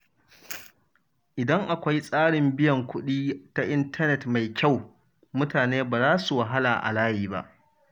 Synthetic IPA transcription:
ʔɪ˨dɐ˦ŋʔa˨kʷa˦jsʼaː˦ɽɪ˨mbɪ˦jɐ˨ŋkʷʊ˦ɗiː˦ta˦ʔɪ˦ntʰɐ˦nɛ˨tma˨jkʲa˦˨w | mʊ˦taː˨neː˦baː˨zaː˦su˨wa˨ɦa˦laː˨ʔa̰˨laː˦jiː˨ba̰˦ʔ

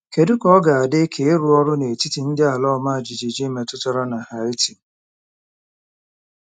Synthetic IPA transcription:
ke˨dʊ˦kɔ˦ɡa˨a˨dɪ˦kʰe˨e˦ɾu˦ɔ˦ɾʊ˦ne˨ti˦ti˨n̩˦dɪ˦a˨lɔ˦ma˦a˨d͡ʒi˨d͡ʒi˨d͡ʒi˦me˨tʊ˦tɔ˦ɾɔ˦na˨ha˨ɪ˦ti˨

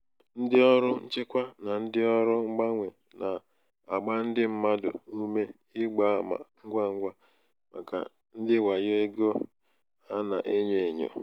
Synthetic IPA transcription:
n̩˦dɪ˦ɔ˦ɾʊ˦n̩˦t͡ʃe˦kʷa˦na˨n̩˦dɪ˦ɔ˦ɾʊ˦ŋ͡m̩˦ɡ͡ba˦ŋʷe˨ | na˨ | a˨ɡ͡ba˦n̩˦dɪ˦m̩˦ma˦dʊ̰˨u˦me˦ | ɪ˦ɡ͡ba˨˦˨ma̰˨ŋ̩˦ɡʷa˦ŋ̩˦ɡʷa˦ | ma̰˨ka̰˨ | n̩˦dɪ˦wa˨jo˦e˦ɡo˦ | a˦na̰˨ʔe˦ɲe˦˨e˨ɲo̰˨

